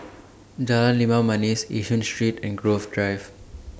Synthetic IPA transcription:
d͡ʒalãlimamʌnisḭʃə̃nsʈɹiːtɛ̃nɡɾoːvɖɹaɪv

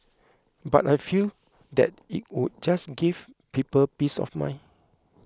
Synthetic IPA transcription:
ba̰tajfil | dɛ̰t̚ḭt̚wud̚d͡ʒasɡiv | pipəlpisɔ̰fmã̰ɪ

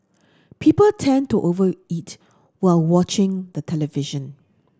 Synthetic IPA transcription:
pʰipəltʰɛ̃ntuʔovəit | waɪlwɔt͡ʃɪ̃ŋd̪ətʰɛləvɪʒə̃n

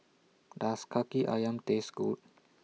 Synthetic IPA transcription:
daskʰakiʔa̰jamt̪esɡut̚

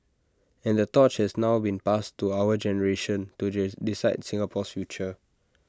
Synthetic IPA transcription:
ɛ̃ndətɔt͡ʃhɛsnaʊbĩnpastuawəd͡ʒɛnəɹeʃə̃ntudisaɪtsĩŋapʰɔsfjut͡ʃə

